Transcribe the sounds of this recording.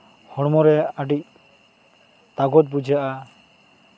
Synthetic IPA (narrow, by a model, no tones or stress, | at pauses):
hɔɽmɔɾɛaʈic̚ | t̪aɡɔt̪̚bud͡ʒjaʔa